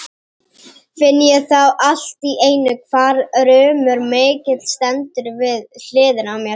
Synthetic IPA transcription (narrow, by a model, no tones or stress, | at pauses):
fɪnːɪjɛɣθawʔal̥t̪iʔeːjnʏkʰv̥aːɾɾœːmʏɾmeːcɪt̪l̥st̪ɛnt̪ʏɾvɪðl̥ɪːðɪnawmjɛ